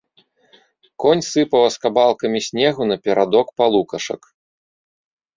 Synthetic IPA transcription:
kɔnʲsɨpɐwɐskabalˠkɐmʲisʲnʲɛɣunɐpʲɛɾad̪ɔkpalˠukɐʂɐ̰k

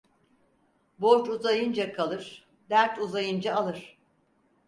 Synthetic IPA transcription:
boɾt͡ʃuzajɯnd͡ʒakʰalˠɯɾ̥ | d̪æɾt̪uzajɯnd͡ʒaːlˠɯɾ̥

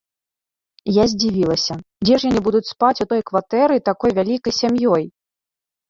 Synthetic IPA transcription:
jazʲd͡zʲivʲilˠɐsʲɐd͡zʲɛʂjanɨbud̪ut͡sʲspat͡sʲut̪ɔjkvat̪ɛɾɨt̪akɔjvʲalʲikɐjsʲamjɔj

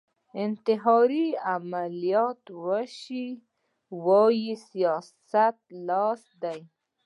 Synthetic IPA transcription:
ɪnt̪ɪɦɑɾiamalijɑt̪wəʃi | wɑjisijɑssat̪̚lɑsd̪aj

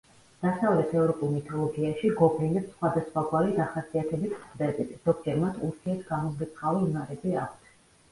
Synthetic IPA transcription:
d̪̥asavlɛt̪ʰɛvɾɔpʼulˠmit̪ʰɔlˠɔɡiaʃiɡɔbʰɛnɛpsχwad̪asχwaɡwaɾid̪aχasiat̪ʰɛbismχd̪ɛbit̪d̥̪ɔɡd͡ʒɛɾmat̪ʰuɾt̪ʰiɛɾt̪ʰɡamɔzɡit̪sʰχavinaɾɛbia̰kʷʰt̪ʰɛ

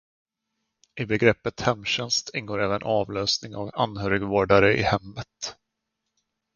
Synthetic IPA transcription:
ɪbɛɡɾɛpːət̪hɛmːɕɛnst̪ʰɪnːɡoːɾɛːvənʔɑːvløːsnɪŋa̰vanːhøːɾɪɡvoːɖaɾəʔɪ̰hɛmːət̪

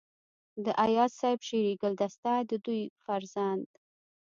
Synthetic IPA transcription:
d̪əʔajɑssɑjbʃeɾeɡəld̪ast̪ad̪əd̪ujfaɾzand̪

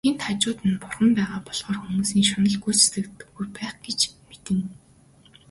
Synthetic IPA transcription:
ent̪at͡ɕʊːt̪ɘ̆npʊrχə̆mpæːʁaːpɔɮʁɔːrxumuːsiːŋʃanə̆ɮɡujt͡sesɘ̆kt̪ɘ̥̆ɡujpæːχɡ̥et͡ɕmet̪ɘ̆ŋ

